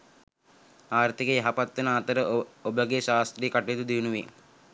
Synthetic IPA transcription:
aːɾt̪ikejaɦapat̪ːɐnaːt̪əɾəobəɡeʃaːst̪ɾijkaʈejed̪ud̪iʋnuʋe

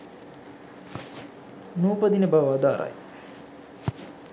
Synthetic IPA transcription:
nuːpəd̪inebaʋʋad̪aːɾa̰j

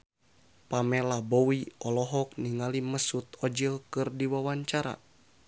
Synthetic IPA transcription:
pamɛlabowiɔlɔɦɔk̚niŋaliməsut̪̚ɔd͡ʒilkɨrdiwawaɲt͡ʃaɾa̰

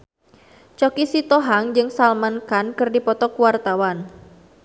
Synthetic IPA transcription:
t͡ʃɔkisit̪ɔɦaŋd͡ʒɨŋsalmankankɨrdipɔt̪ɔkuwart̪awan

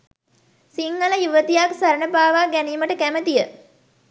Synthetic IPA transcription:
siŋɡələjuʋət̪ijaksaɾəɳəbaːʋaːɡæniːməʈəkæmət̪ijə

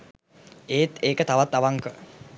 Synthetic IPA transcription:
eːt̪eːkət̪aʋat̪ːaʋaŋkə

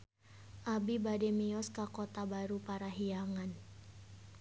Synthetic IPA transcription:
ʔabibadɛmiɔskakɔt̪abaɾupaɾaɦiaŋan

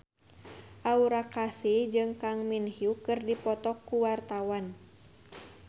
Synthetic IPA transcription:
ʔauɾakasid͡ʒɨŋkaŋminhiukɨrdipɔt̪ɔkːuwart̪awan

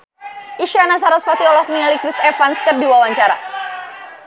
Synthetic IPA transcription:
ʔiʃanas̬aɾɔspat̪iɔlɔhnialikɾisɛfanskərdiwawaɲt͡ʃaɾa̰

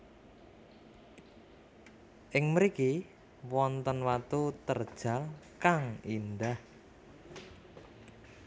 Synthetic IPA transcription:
ʔɪŋməɾiki | wɔnt̪ɔnwat̪ut̪ərd̥ʒ̥a̤lkaŋind̪ah

